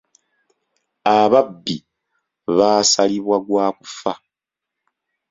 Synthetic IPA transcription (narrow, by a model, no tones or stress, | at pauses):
aβabːi | βaːsaliβwaɡwaːku̥fa